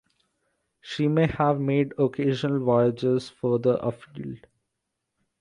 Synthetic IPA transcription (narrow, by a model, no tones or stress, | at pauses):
ʃiːmeːhæʋmeːɖokʰeːʒənəlʋɔɪəd͡ʒezfɔɾd̪əʔəfilɖ